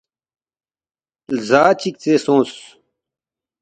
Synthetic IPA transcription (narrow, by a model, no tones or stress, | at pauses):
lzaːt͡ɕik̚t͡seːsõːs